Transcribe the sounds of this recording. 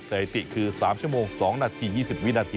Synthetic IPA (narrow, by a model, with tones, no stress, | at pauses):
sa˧˩he˨˩t̪ḭ˨˩kʰɨ˧˩saː˨˦mt͡ɕu˦˥əmo˧˩ŋsɔː˨˦ŋnaː˧t̪ʰiː˧jiː˧˩si˨˩p̚wi˦˧˥naː˧t̪ʰiː˧